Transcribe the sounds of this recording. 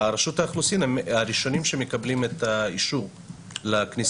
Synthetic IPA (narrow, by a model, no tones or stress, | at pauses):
ɾaʃutaːχlusinemaɾiʃo̞nimʃemekablimet̪aiʃuʁ | laknis